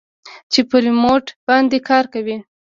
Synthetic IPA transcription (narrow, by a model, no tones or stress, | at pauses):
t͡ʃepəɾimoʈbɑnd̪ekʰɑɾkawi